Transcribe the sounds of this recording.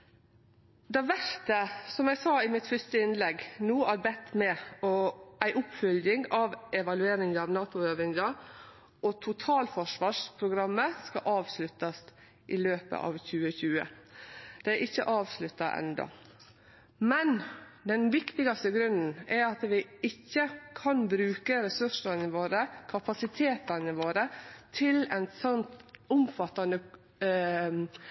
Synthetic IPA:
d̪ɛʋæʂt̪əsɔmjæɡsɑːɪmɪt̪fœst̪əɪnlɛɡnuːæɾbɛt̪ːmɛɔæɪʔʊpfœljɪŋɑʋɛʋɑlʉeːɾɪŋɑʋnɑːt̪ʊøːʋɪŋd̪ɑ | ʔɔt̪ʰʊt̪ʰɑːlfɔʂʋɑːʂpʰɾʊɡɾɑmːəskɑ̰ʔɑːʋslʉt̪ːɑs | ʔɪløːpə̰ʔɑ̰ːʋçʉːəçʉːə̰ | d̪̥ɛʔɪçːə̰ʔɑːʋslʉt̪ːɑʔɛ̰nd̪ɔ̰ | mɛnd̪ɛnʋɪkt̪ɪɡɑst̪əɡɾʉnːn̩ɛɾɑt̪ʋɪɪçːəkʰɑnbɾʉːkəɾɛsʉʂənəʋoːɾəkʰɑpɑsɪt̪ʰeːt̪ɑnəʋoːɾət̪ʰɪlɛ̰nsɔnt̪ʊmfɑt̪ːɑnə

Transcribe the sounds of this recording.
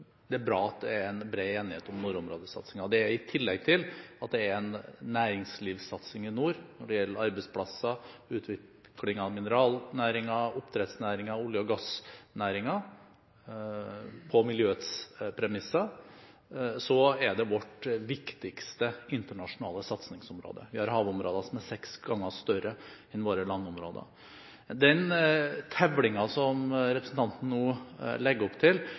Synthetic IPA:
d̪̥ɛæbɾɑːɑt̪̚d̪ɛæɾɛnbɾeːeːnɪheːt̪ɔmnʊɾʊmɾo̰ːd̪əsɑ̰t̪sɪŋɑd̪ɛæɾɪt̪ʰɪlːɛɡ̚t̪ʰɪlɑt̪̚d̪ɛæɾɛnːæːɾɪŋsliːʋsɑt̪sɪŋɪnuːɾnɔɖɛjɛlːəɾɑɾbɛɪspʰlɑsːɑʉːt̪ʰʋɪkʰlɪŋɑʋmɪnəɾɑːlnæːɾɪŋɑɔpːt̪ʰɾɛt̪snæːɾɪŋɑʊljəɔɡɑsnæːɾɪŋɑ | pʰɔmɪljøːət̪spʰɾɛmɪsːɑ | sɔɛɖɛʋɔʈːʋɪkt̪ɪkst̪əɪnt̪əɳɑʂʊnɑ̰ːləsɑt̪snɪŋsɔmɾo̰ːd̪ə̰ʋɪhɑɾɦɑːʋɔmɾoːd̪ɑsɔmæɾsɛksɡɑŋːəʂt̪œɾəɛnʋoːɾəlɑnːʊmɾo̰ːd̪ə̰ | d̪ɛnt̪ʰɛʋlɪŋɑsɔmɾɛpɾəsn̩t̪ɑnt̪n̩nuːlɛɡːɔpt̪ʰɪl

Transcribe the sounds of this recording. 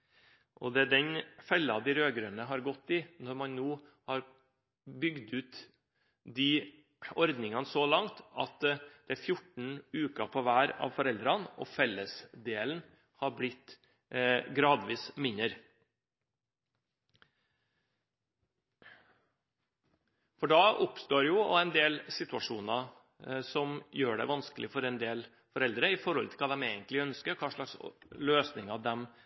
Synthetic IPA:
ʔɔd̪ɛæɖɛnfɛlːɑd̪ɪɾøːɡɾøːnəɦɑɾɡɔt̪ːɪnɔɾmɑnnoː | hɑɾ | bʏɡd̪ʉːt̪ | d̪iː | ɔɾd̪nɪŋɑnsɔlɑŋt̪ɑt̪d̪̥ɛæɾfjʊʈɳ̩ʉːkɑpʰɔʋæːɾɑ̰ːʋfɔɾɛld̪ɾɑnʔɔ̰fɛləsd̪eːln̩ | hɑɾblɪt̪ | ɡɾɑːd̪ʋiːsmɪnəɾ | fɔɖɑːʊpst̪oːɾjʊɔ̰ɛnd̪eːlsɪt̪ʉɑʂuːnɑ | sɔmjøːɖɛ̰ʋɑnsklɪfɔɾɛnd̪eːl | fɔɾɛld̪ɾəɪfɔɾhɔlt̪ʰɪlkʰɑːd̪ɛmeːɡənt̪lɪœnskəɾkʰɑːʂlɑksløːsnɪŋɑd̪ɛm

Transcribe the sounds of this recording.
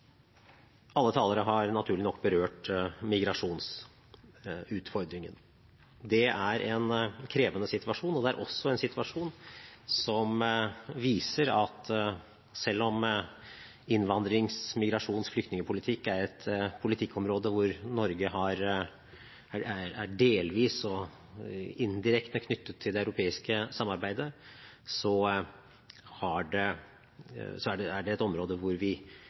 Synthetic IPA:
ɑlːət̪ʰɑːləɾəɦɑɾnɑt̪ʰʉːɾɭnɔkːbəɾøːʈmɪɡɾɑʂuːns | ʉːt̪fɔɾd̪ɾɪŋən | d̪ɛʔæɾʔɛnkʰɾeːʋənəsɪt̪ʉɑʂuːnɔd̪ɛæ̰ɾʔɔsːɔɛnsɪt̪ʰʉɑʂuːnsɔmʋiːsəɾɑt̪ | sɛlːɔm | ɪnːʋɑnd̪ɾɪŋsmɪɡɾɑʂuːnsflʏkt̪nɪŋəpʰʊlɪt̪ʰɪkːæɾɛt̪pʰʊlɪt̪ʰɪkːɔmɾoːd̪əʋʊɾnɔɾɡəɦɑɾ | ææɾæɖeːlʋiːsɔ | ɪnd̪ɪɾɛkt̪əkʰnʏt̪ːət̪ʰːɪld̪ɛɑʉɾʊpʰeːɪskəsɑmːɑɾbæɪd̪əsɔ | hɑɖɛ | sɔæɖɛæɖɛɛt̪ɔmɾoːd̪əʋʊɾʋɪ

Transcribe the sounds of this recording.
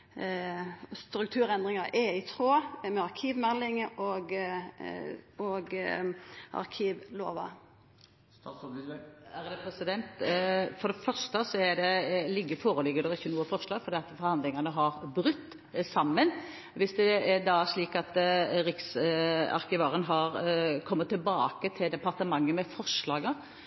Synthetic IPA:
st̪ɾʉk̚t̪ʰʉːɾɛnd̪ʁɪŋɑʔɛɪt̪ʰɾoːmɛɑɾkʰiːʋmɛlːɪŋɔɡ | ɔɡ | ʔɑ̰ɾkʰiːʋlo̰ːʋɑ̰ | æɾd̪ɛpʰɾɛsɪd̪ɛnt̪fɔd̪ɛfœɾʂt̪əsɔæɾd̪ɛlɪɡːəfoːɾəlɪɡːəd̪ɔɪçːənuːəfɔɾʂlɑːɡfɔɾd̪ɛːɑt̪fɔɾhɑnd̪lɪŋɑnəɦɑɾbɾʉt̪ː | sɑmːən | ʋɪsd̪ɛɛd̪ɑæʂɭiːkɑt̪ɾɪksɑ̰ɾkɪʋɑːɾənɦɑɾkʰɔmːət̪ʰːɪlbɑːkət̪ʰɪld̪ɛpɑɾt̪əmɑŋːəmɛfɔɾʂlɑːɡə

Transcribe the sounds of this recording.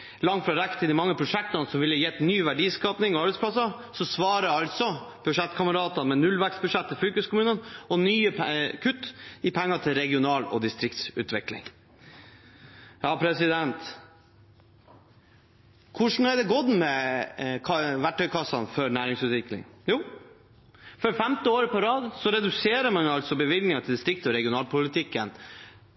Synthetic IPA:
lɑŋt̪fɾɑɾækt̪ʰɪd̪ɪmɑŋːəpʰɾʊʂɛk̚t̪ɑnsɔmʋɪlːəjɛt̪ːnyːʋæɖiːskɑːpnɪŋɔɑɾbɛt̪spʰlɑsɑ | sɔsʋɑːɾəɑlt̪sɔ | b̥ʉʂɛt̪ːkʰɑməɾɑːt̪ɑmɛnʉlʋæksbʉʂɛt̪ːɪlfyːkʉskʰʊmʉːnənɔnyːəkʰʉt̪ːɪpʰɛŋːɑt̪ʰɪlɾɛɡɪʊnɑːlɔ̰d̪ɪst̪ɾɪk̚t̪sʉ̰ːt̪ʋɪklɪ̰ŋ | jɑːpʰɾɛsɪd̪ɛnt̪ | kʰʊʂɳ̩hɑd̪ɛɡɔd̪mɛkʰɑʋæʈʰːœʏkʰɑsːɑnfɔɾnæːɾɪŋsʉːt̪ʋɪklɪ̰ŋjuː | fɔɾfɛmt̪ɪoːɾpʰɔɾɑːd̪sɔɾɛd̪ʉseːɾəmɑnɑlsɔbəʋɪlɡ̪nɪŋɑt̪ʰɪld̪ɪst̪ɾɪkt̪ɔɾɛɡɪʊnɑːlpʊlɪt̪ʰɪkːən

